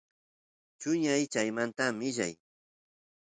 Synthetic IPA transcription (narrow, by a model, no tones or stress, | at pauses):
t͡ʃʊɲajt͡ʃajmant̪amɪʎa̰j